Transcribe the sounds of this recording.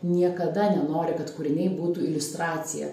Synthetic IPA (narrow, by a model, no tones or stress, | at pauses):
nʲiɛkɐd̪ɐnʲɛnoːɾʲɪkɐt̪kuːɾʲɪnʲɛɪbuːt̪uːɪlʲʊst̪ɾɑːt̪sʲɪjɛ̰